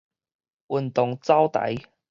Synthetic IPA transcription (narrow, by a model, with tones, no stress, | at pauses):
wu˨˩nt̪ʊ˨˩ŋt͡sa˥wt̪ɐ̰˨˥j